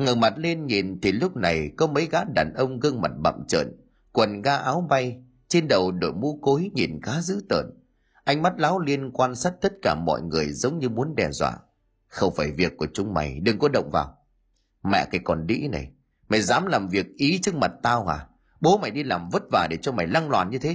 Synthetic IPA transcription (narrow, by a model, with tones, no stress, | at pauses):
ŋə˨˩ŋma˨˩t̚le˧nɲi˨˩nt̪ʰi˨˩lʊ˦˥k͡p̚na˨˩jkɔ˨˦mə˨˦jɣa̰ː˨˦˥ɗa̰ː˨˩nʔə˧wŋ͡mɣə˧ŋma˨˩t̚ɓa̰˧˨mt͡ɕə̰ː˧˨n | kwə˨˩nɣaː˧ʔaː˨˦wɓa˧j | t͡ɕe˧nɗə˨˩wɗo̰˧˨jmṵ˧˥ko˨˦jɲi˨˩nɣaː˨˦zɨ̰˧˥t̪ə̰ː˧˨n | ʔa˧jŋ̟ma˦˥t̚laː˨˦wli˧ənkwaː˧nsaː˦˥t̚t̪ə˦˥t̚kaː˧˩mɔ̰˧˨jŋɨ˨˩əjzə˨˦wŋ͡mɲɨ˧mu˨˦ənɗɛ˨˩zwa̰ː˧˨ | xə˧wŋ͡mfaː˧˩jvi˨˩əkːu˧˩ət͡ɕʊ˨˦ŋ͡mma˨˩jɗɨ˨˩ŋkɔ˨˦ɗə̰˧˨wŋ͡mvaː˨˩w | mɛ̰˧˨kaː˨˦jkɔ˨˩nɗḭ˧˥na˨˩j | ma˨˩jzaː˨˦mlaː˨˩mvi˨˩ək̚ʔi˨˦t͡ɕɨ˦˥k̚ma˨˩t̚t̪aː˧whaː˨˩ | ɓo˨˦ma˨˩jɗi˧laː˨˩mvə˦˥t̚vaː˨˩ɗe˧˩t͡ɕɔ˧ma˨˩jla˧ŋlwaː˨˩nɲɨ˧t̪ʰe˨˦